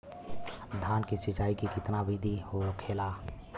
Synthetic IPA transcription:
d̪ʱaːnkisɪt͡ʃaːikikɪt̪nabid̪ʱihookʰeːlaː

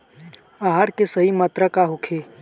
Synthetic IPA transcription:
aːɦaɾkesɐɦimaːt̪ɾəkaɦʊkʰeː

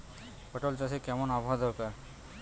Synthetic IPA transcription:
pəʈolt͡ɕasekɛmonaboɦad̪ɔɾkaɾ

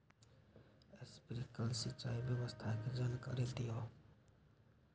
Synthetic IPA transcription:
espɾikəlsit͡ʃaibjəbəst̪ʰaked͡ʒənkə̰ɾelt̪ijo

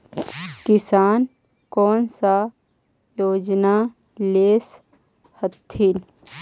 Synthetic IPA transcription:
kɪsaːn | kɔːnsa | joːd͡ʒna | leːs | hət̪ʰːɪn

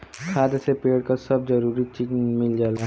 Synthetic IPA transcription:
kʰaːd̪esepeːɽkasɐb̚zɐɾuːɾit͡ʃɪknmɪld͡ʒaːla

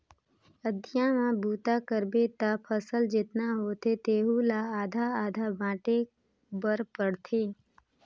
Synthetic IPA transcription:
əd̪ʱijãmãbʱuːt̪akəɾbet̪apʰəsəld͡ʒɪt̪naɦoːt̪et̪eːɦulaaːd̪ʱaaːd̪ʱabãːʈe | bəɾpəɽt̪ʰeː

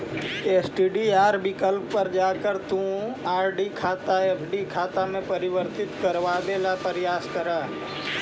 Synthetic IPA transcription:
eːsʈiːɖiaːɾbikəlpːəɾd͡ʒaːkəɾt̪ũaːɾɖikʰaːt̪aeːpʰɖikʰaːt̪amẽpəɾɪʋəɾt̪ɪt̪kəɾʋaːd̪eːlapəɾɪjaːskəɾaː

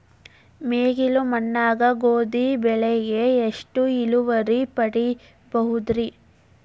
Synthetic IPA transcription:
meːɡilumɐnːaːɡɐɡoːd̪ibɛɭɛɡeːʂʈuiluʋɐɾipɐɽi | bɐɦud̪ɾi

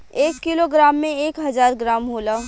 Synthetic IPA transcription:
eːkːiloɡɾaːmːẽeːkɦɐzaːɾɡɾaːmɦoːlaː

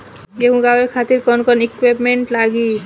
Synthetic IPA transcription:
ɡekũɡawekʰat̪iɾkɔnkɔnikwepmeɳʈlaɡi

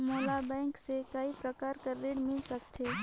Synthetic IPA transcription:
moːlabɛ̃ːŋksekaipɾəkaːɾkɐɾːeːɽmɪlsɐkt̪eː

